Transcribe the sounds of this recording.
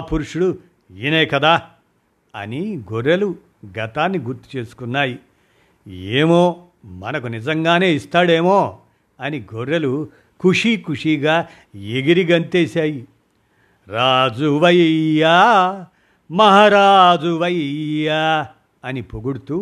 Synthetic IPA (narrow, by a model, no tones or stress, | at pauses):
puɾuʂuɽu | ineːkɐd̪aː | ɐ̰niɡoɾːɐlu | ɡɐt̪aːnːiɡuɾt̪u̥t͡ʃe̞ːsu̥kunːaːji | eːmoː | mɐnɐkunid͡ʒɐŋɡaːne̞ːist̪aːɽe̞ːmoː | ɐniɡʱoɾɐlu | kuʂikuʂiːɡaː | eɡiɾiɡɐnt̪eːsaːji | ɾaːd͡ʒuʋɐjjaː | mɐɦaːɾaːd͡ʒuʋɐjja | ɐnipoɡuɽut̪uː